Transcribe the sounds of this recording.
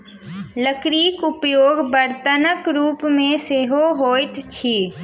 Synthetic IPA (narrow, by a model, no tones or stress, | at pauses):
ləkɾiːkʊpjoːɡbəɾt̪ənəkɾuːpmẽseːɦoɦoːt̪t͡ʃʰiː